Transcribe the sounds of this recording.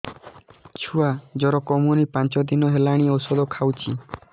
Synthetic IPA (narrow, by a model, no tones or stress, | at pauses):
t͡ʃʰuad͡ʒɔɾɔkɔmunipãnt͡ʃɔd̪inɔɦelaɽ̃iosɔd̪ɔkʰawt͡ʃʰḭ